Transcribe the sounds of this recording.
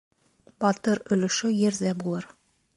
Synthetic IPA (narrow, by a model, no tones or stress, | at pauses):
bɒt̪ɤɾɵ̆lɵ̆ʃɵjɘ̆ɾðæbulˠɤɾ